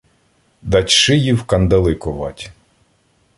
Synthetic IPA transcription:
d̪ɐtʲʃɪjiwkɐnd̪ɐlˠɪkɔʋɑ̰tʲ

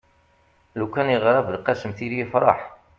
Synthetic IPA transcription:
lukːænəʁɾˤɑvlqɑsəmθilifɾˤɑ̰ħ

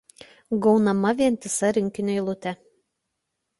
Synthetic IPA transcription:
ɡɒʊnɐmɐʋʲiɛnʲt̪ʲɪsɐɾʲɪŋʲkʲɪnʲojlˠʊt̪ʲɛ

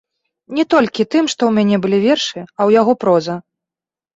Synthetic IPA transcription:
nʲɛt̪ɔlʲkʲit̪ɨmʂt̪ɔwmʲanʲɛbɨlʲivʲɛrʂɨɐwjaɣɔpɾɔzɐ

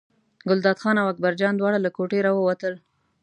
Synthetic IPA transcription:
ɡʊld̪ɑd̪xɑnawak̚baɾd͡ʒɑnd̪wɑɽalakoʈeɾɑwəwat̪əl

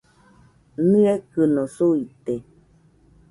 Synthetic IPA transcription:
nɨakɨnosuit̪e

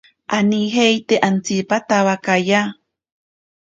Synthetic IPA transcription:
ʔaniɦejt̪eʔant͡sipat̪awakaja

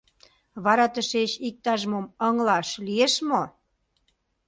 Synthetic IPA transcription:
βɑɾɑt̪əʃeɕik̚t̪ɑʒmoməŋlɑʃlieʃmo

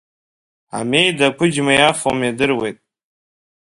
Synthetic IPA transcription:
a̰me̞jdakʷʰʊd͡ʒmajafomjadɨrwe̞jtʼ

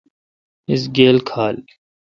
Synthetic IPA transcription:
ɪs̬ɡeːlkʰaːl

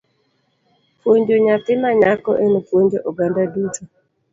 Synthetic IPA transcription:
pwoɲd͡ʒoɲat̪ɪnaɲakɔ̰ʔenopwoɲd͡ʒoʔɔɡandadutʰo

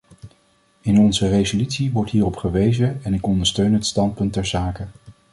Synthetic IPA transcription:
ɪnɔnzərejzolytsiʋɔɹtɦiːrɔpχəʋejzəɛnɪkɔndəɹstøɥnɦətstɑnt̚pɵntɛɹzaːkə

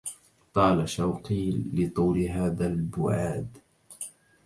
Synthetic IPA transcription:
t̪ˤɑːlaʃawqiːlːɪt̪ˤuːlɦaːðalbʊ̰ʕaːd̪

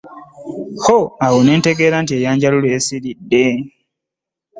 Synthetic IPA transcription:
xoawone̞ːnte̞ɡe̞ːɾantie̞ːjaːɲɟalulweːsiɾidːe̞

